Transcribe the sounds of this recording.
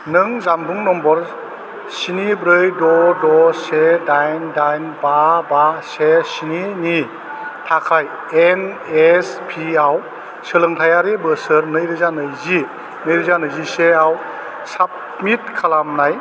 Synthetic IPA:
nɯŋzambuŋnɔmbɔɾ | sinibɾɯjdɔdɔsedajndajnbabasesinini | tʰakʰaj | en | espʰiaw | sɯlɯŋtʰajaɾibɯsɯɾnɯjɾɯzanɯjzi | nɯjɾɯzanɯjziseaw | sap̚mit̚kʰalamnaj

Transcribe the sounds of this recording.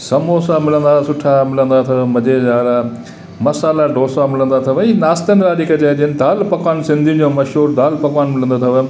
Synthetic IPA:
sɐmoːsamɪlə̃nd̪asʊʈʰamɪlə̃nd̪at̪ʰɐʋmɐd͡ʑeːd͡ʑaːla | mɐsaːlaɖoːsamɪlə̃nd̪at̪ʰɐʋəinaːst̪ənɾaːɗikɐd͡ʑad͡ʑiənd̪aːlpɐkwaːnsɪ̃nd̪ʱid͡ʑoːmɐʃɦuːɾd̪aːlpɐkwaːnmɪlə̃nd̪ot̪ʰɐʋə

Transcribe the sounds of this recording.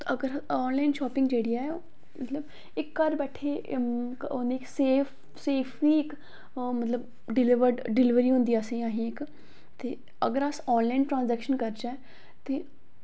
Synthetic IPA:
əɡəɾɔːnlaːɪnʃɔːpɪ̃ŋɡd͡ʒeːɽiaɛ | mət̪ləb | ɪkːəɾbɛːʈʰeːkoneːɪkseːf | seːpʰʋiːɪk | mət̪ləb | ɖɪlɪʋəɾɖɖɪlɪʋəɾiːɦʊ̃nd̪iːəsẽaːɦĩːɪk | t̪eː | ə̰ɡəɾəsɔːnlaɪnʈɾãːnzɛːkʃənkəɾd͡ʒaː | t̪eː

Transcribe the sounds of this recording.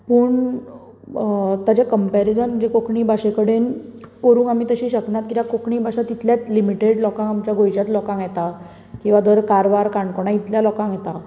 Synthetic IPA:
pəːɳ | t̪ad͡ʑekəmpeɾid͡zənd͡ʑekokɳiːbʱaɕekəɽenkəɾuːkam̤iːt̪əɕiːɕəknat̪̚kit̪akokɳiːbʱaɕat̪it̪ljat͡slimiʈeɽlɔkãŋamt͡ɕjaɡʱojd͡ʑat̪lɔkãŋjɛt̪a | kĩw̃ʋad̪ʱəɾkaɾʋaɾkaɳkɔɳ̃ãit̪ljalɔkãŋjɛt̪a

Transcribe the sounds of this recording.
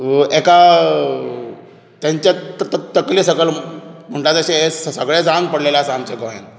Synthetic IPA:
eka | t̪jãɲt͡ɕat̪əkliːsəɡəlm̤əɳʈat͡səɕeesəsəɡɭed͡zaŋɡpəɽlelaəsaamt͡ɕeɡoɦḛn

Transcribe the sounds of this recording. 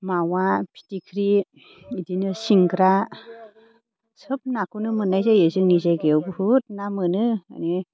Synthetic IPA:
mawapʰi̥tikʰɾi | idinɯsiŋɡɾa | sɯp̚nakʰunɯmɯnajzejɯzɯŋnizaɡewbhut̚namɯnɯa̰ni

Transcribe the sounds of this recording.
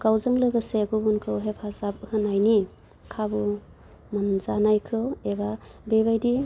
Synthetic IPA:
kawzɯŋlɯɡɯseɡubunkʰɯwɦepʰazap̚hɯnajni | kʰabu | manzanajkʰɯwebabebajdi

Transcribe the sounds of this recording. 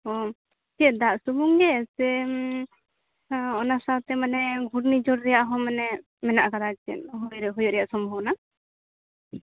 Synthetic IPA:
ɔ | kiɛd̪aʔsubuŋɡɛsɛ | ɔnasawt̪ɛmanɛɡʱuɽnid͡ʒɔɽɾɛjaʔɦɔ̃mɛnɛ | mɛnaʔkaɾakt͡ʃɛ̰nɦɔjɾɦɔjɔʔɾɛjaʔsɔmbʱɔbna

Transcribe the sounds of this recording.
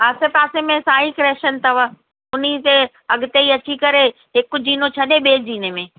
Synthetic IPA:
aːsepaːsemẽsaːɦikɾeːʃənt̪ʰɐʋə | ʊnit̪e | ɐɡɪt̪eiɐt͡ɕikɐɾe | ɦɪkʊd͡ʑiːnot͡ɕʰɐɗeɓeːd͡ʑiːnemẽː

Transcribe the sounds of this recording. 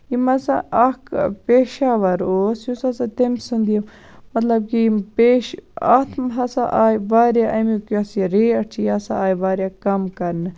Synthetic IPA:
imɐsa̰ɐkpeːʃaːʋɐɾoːsjusɐsat̪emsɨnd̪ijɐm | mɐt̪lɐb̚kipeːʃɐ̰t̪ʰmɦɐsa̰ʔaːjʋaːɾjaʔɐmikuɐsiɾeːɐt͡ʃʰijɐsaaːjʋaːɾʲjakɐmkɐɾnɨ

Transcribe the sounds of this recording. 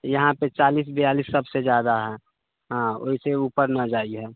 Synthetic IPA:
jɐɦãpet͡ʃaːliːs̬bejaːliːsːɐbsed͡ʒjaːd̪aɦɛː | ɦão̰ːɦiseuːpəɾnad͡ʒaːiɦɛː

